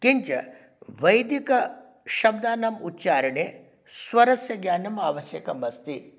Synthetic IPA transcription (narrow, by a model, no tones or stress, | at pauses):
kiɲt͡ʃɐ̰ | ʋɐjd̪ikɐ | ʃɐb̚d̪aːnɐmutːt͡ʃaːɾɐɳe | sʋɐɾɐsjɐɡjaːnɐmaːʋɐsjɐkɐmɐst̪i